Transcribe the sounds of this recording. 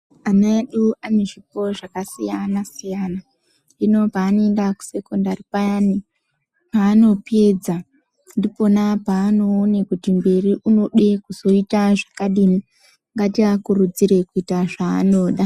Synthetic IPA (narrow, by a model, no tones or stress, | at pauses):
anaeɗuane̞ʐipo̞ʐakasijanasijana | dino̞paːno̞e̞ndaku̥se̞ko̞ndaripajani | paːno̞pe̞d͡za | ndipo̞napaːno̞ːnekutimbe̞riʔuno̞ɗe̞kuzo̞itaʐakaɗini | ŋɡatiakuɾud͡ziɾe̞kuitaʐa̰ːno̞ːɗa